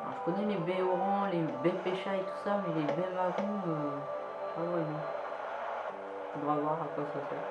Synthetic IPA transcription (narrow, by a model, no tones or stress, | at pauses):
ã̰ʒəkɔnɛlebɛɔʁɑ̃lebɛpeʃaet̪u̥samɛlebɛmaʁũø | avwaji | fod̪ʁavwaʁakwasasɛ